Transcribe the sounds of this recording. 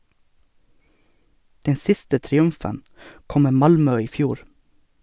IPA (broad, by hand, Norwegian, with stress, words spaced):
ˈdɛn ˈsɪstə tɾɪˈʉmfən ˈkɔm ˈmeː ˈmɑlmœ ˈiː ˈfjuːɾ